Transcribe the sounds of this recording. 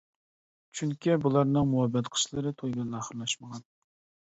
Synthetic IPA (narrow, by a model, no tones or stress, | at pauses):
t͡ʃʰyŋkʲʰibulˠɑɾnɨŋmuwɑbːɛt̪qʰə̥ʃlˠɨɾɨt̪ʰojbɛnɑχəɾlˠɑʃməʁɑn